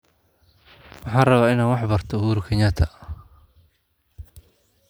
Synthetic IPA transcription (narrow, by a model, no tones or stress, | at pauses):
wɑħɑːnrɐβaːɪnaːnwɑħbɐrt̪ʰɔhuːɾkʰɛɲɐt̪ʰɐ